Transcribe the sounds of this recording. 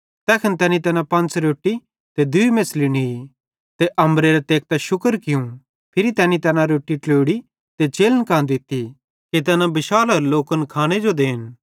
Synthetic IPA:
t̪ɛːkʰɐnt̪ɛːnĩt̪ɛːnãpɐ̃nt͡sɾoːʈːi | t̪ɛd̪ʊimẽsliñii | t̪eʔɐ̃mbɾeɾɛt̪eːk̚t̪aʃʊkəɾkɪjũ | pʰɪɾit̪ɛːnit̪ɛːnãɾoːʈːiʈoːɽi | t̪et͡ʃeːlənkãːnd̪ɪt̪ːi | ket̪̬ɛːnãbɪʃaːlɐɾloːkənkʰaːɽ̃ed͡ʒod̪eːn

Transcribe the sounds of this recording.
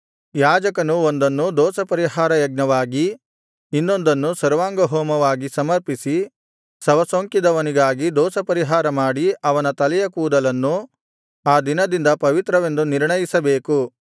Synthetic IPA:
jaːd͡ʒɐkɐnuond̪ɐnːud̪ɔːsɐpɐɾiɦaːɾɐjɐɡ̚nɐʋaːɡiː | nːo̞nd̪ɐnːusɐɾʋaːŋɡɐɦɔːmɐʋaːɡisɐmɐɾpisi | sɐʋɐsoːŋkid̪ɐʋɐniɡaːɡid̪ɔːsɐpɐɾiɦaːɾɐmaːɽiɐʋɐnɐt̪ɐlɛjɐkuːd̪ɐlɐnːu | aːd̪inɐd̪ind̪ɐpɐʋit̪ɾɐʋe̞nd̪uniɾɳɐjisɐbe̞ːku

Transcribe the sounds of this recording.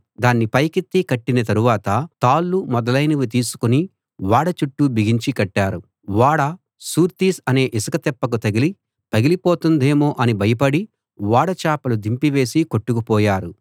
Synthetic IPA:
d̪aːnːipɐjkit̪ːikɐʈːinɐt̪ɐɾuʋaːt̪ɐt̪aːlːumɔd̪ɐlɐjnɐʋit̪̬iːsu̥kuni | ʋaːɽɐt͡ʃuʈːubʱiɡiɲt͡ʃikɐʈːaːɾu | ʋaːɽɐ | suːɾt̪iːsɐne̞ːʔisɐkɐt̪ɛpːɐk̬ut̪ɐɡili | t̪ɐɡilipoːt̪und̪e̞ːmoːʔɐnibʱɐjɐpɐɽi | ʋaːɽɐt͡ʃaːpɐlud̪ʱimpiʋe̞ːsiko̞ʈːukupɔːjaːɾu

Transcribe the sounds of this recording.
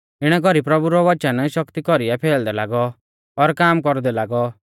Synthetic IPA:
ɪɽ̃ɛɡɔɾipɾɔbuɾɔʋɐt͡ʃənʃɔkt̪ikɔɾijapʰɛːld̪ɛlaːɡɔː | ɾkaːmkɔɾd̪ɛlaːɡɔ

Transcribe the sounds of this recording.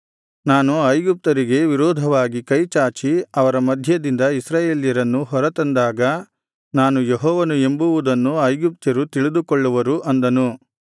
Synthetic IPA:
naːnuɐjɡup̚t̪ɐɾiɡe̞ʋiɾɔːd̪ʱɐʋaːɡikɐjt͡ʃaːt͡ʃiɐʋɐɾɐmɐd̪ʱjɐd̪ind̪ɐisɾaːjeːljɐɾɐnːuɦɔɾɐt̪ɐnd̪aːɡɐ | naːnujeɦɔːʋɐnue̞mbuʋud̪ɐnːuɐjɡup̚t̪ɐɾut̪iɭid̪ukɔɭːuʋɐɾuʔɐnd̪ɐnu

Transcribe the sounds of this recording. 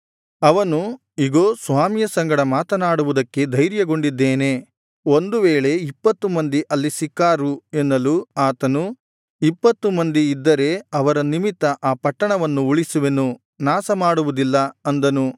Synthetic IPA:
ɐʋɐnu | iɡo̞ːsʋaːmijɐsɐŋɡɐɽɐmaːt̪ɐnaːɽuʋud̪ɐkːe̞d̪ʱɐjɾjɐɡo̞ɳɖid̪ːeːne̞ | o̞nd̪uʋeːɭe̞ipːɐt̪ːumɐnd̪iʔɐlːisikːaːɾuenːɐluaːt̪ɐnu | ipːɐt̪ːumɐnd̪iːd̪ːɐɾe̞ɐʋɐɾɐnimit̪ːɐʔaːpɐʈːɐɳɐʋɐnːuuɭisuʋenu | naːsɐmaːɽuʋud̪ilːɐɐnd̪ɐnu

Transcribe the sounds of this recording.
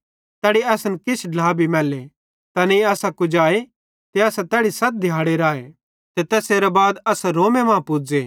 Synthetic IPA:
t̪ɛːɽiɐsnkɪt͡ʃʰɖʱlaːbʱimɛːle | t̪ɐniɐːsakʊd͡ʒaːe | t̪eɐsat̪ɛːɽisɐt̪̚d̪ʱjaːɽeɾaːe | t̪et̪ɛːseːɾɐbaːd̪ɐsɾoːmemãːpʊd͡zeː

